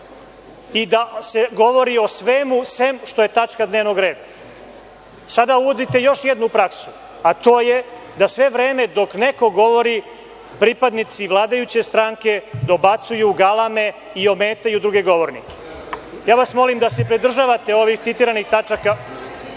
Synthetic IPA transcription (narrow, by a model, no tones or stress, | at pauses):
id̪aseɡo̞ʋo̞ɾio̞sʋemusʋe̞mʃt̪o̞jet̪at͡ʃkad̪neːʋno̞ɡɾe̞ːd̪a | sad̪auʋod̪it̪e̞jo̞ʃjed̪nupɾaksu̥ | at̪o̞ːjed̪asʋe̞ʋɾe̞ːme̞d̪o̞kne̞ko̞ɡo̞ʋo̞ɾi | pɾipad̪nit̪siʋlˠaːd̪ajut͡ɕe̞st̪ɾaŋke̞d̪o̞bat̪sujuɡalˠame̞ | io̞me̞ːt̪ajud̪ɾuɡe̞ɡo̞ʋo̞ɾnḭke̥ | jaːʋasmo̞limd̪asepɾid̪r̩ʒaːʋat̪e̞o̞ʋixt̪sit̪iːɾanixt̪at͡ʃaka